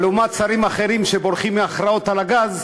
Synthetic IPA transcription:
lumat̪t͡saɾimaχe̞ʁimʃebo̞ɾχimːeaχɾao̞t̪alaɡaz

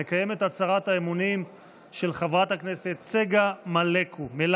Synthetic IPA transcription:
ekaje̞me̞t̪at͡saʁathaemunim | ʃe̞lχavʁathakne̞se̞t̪t͡seɡamalekʰumel

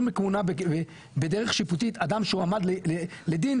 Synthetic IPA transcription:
mekmunabeve | bed̪eʁeχʃiput̪̬it̪ad̪amʃeuamad̪leeled̪in

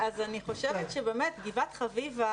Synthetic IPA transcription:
azaniχo̞ʃevet̪ʃebemetɡivat̪χaviva

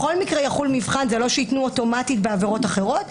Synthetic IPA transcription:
χo̞lmikʁejaχulmivχanzelo̞ʃeitnuoto̞matitbeaveʁo̞taχe̞ʁo̞t

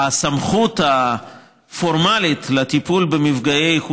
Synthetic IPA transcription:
asamχut̪a | fo̞ʁmalit̪lat̪ipulbemivɡajejχ

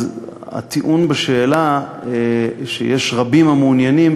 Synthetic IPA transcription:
za̰t̪iʔunbeʃeːla | ʃḛjeʃʁabimamunjanim

